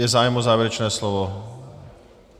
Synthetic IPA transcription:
ɛzaːjɛmozaːvjɛɾɛt͡ʃnɛːslovo

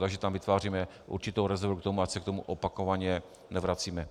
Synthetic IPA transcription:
t̪aɡʒɛt̪amvɪt̪vaːriːmɛ | ʔṵɾt͡ʃɪt̪owɾɛzɛɾvukt̪omuasɛk̚t̪o̞muʔopakovaɲɛ | nɛvɾat͡siːmɛ

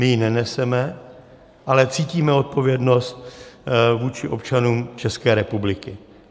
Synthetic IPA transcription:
mɪjinɛnɛsɛmɛ | ʔalɛt͡siːciːmɛo̞t̪̚po̞vjɛdno̞st̪̚ | vuːt͡ʃɪʔo̞pt͡ʃanuːmt͡ʃɛskɛːɾɛpublɪkɪ

